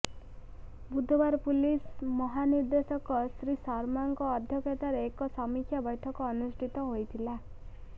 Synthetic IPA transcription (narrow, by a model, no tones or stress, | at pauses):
bud̪ʱːɔbwaɾpulismʌɦaniɾd̪esʌkɔsɾisʌɾmaŋkoːd̪ʱjʌket̪aɾekɔsʌmikʰjabʌjʈʰʌkːnusʈʰit̪ɔɦojt̪ʰila